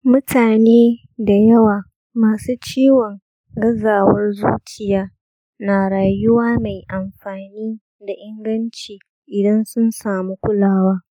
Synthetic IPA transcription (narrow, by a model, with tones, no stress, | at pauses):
mʊ˦tʰaː˨neː˦ | da˨jɐ˦waː˨ | maː˨suː˦t͡ʃiː˦wɔ˨ŋ | ɡɐ˦zaː˨wɐ˦rzṵː˦t͡ʃɪ˦˨jaː˦ | naː˨ɽaː˨jʊ˦waː˦ma˨jʔa˨mɸaː˨niː˦ | da˨ʔɪ˦ŋɡɐ˦nt͡ʃiː˨ | ʔɪ˨dɐ˦nsʊ˦nsaː˨mu˦kʷʊ˦laː˦waː˦